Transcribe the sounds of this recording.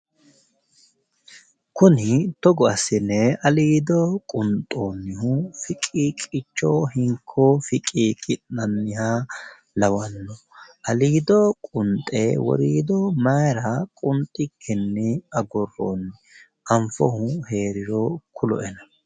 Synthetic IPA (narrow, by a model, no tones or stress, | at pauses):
kʊnɪt̪ɔɡɔɐsɪnːɛɐliːd̪ɔkʼʊnt̪ʼːoːnːɪhʊfɪkʼiːkʼɪt͡ʃːoːhɪŋkʰːofɪkʼiːkʼɪʔnːɐnːɪha | lɐwɐnːɔ | ʔɐliːd̪ɔkʼʊnt̪ʼḛwɔ̰ɾiːd̪ɔmɐjɾɐkʼʊnt̪ʼɪkʰːɛnːɪɐɡɔrːo̰ːnːɪ | ʔɐɱfɔhʊhe̞ːɾɪɾɔkʰʊlɔ̰ʔɛnɐ